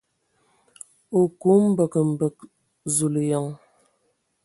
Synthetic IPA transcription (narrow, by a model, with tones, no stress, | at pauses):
o˨ko˨˦m˦bə˨kə˨m̩˨bə˨k̚ | zu˨lə˨jɔ˨ŋ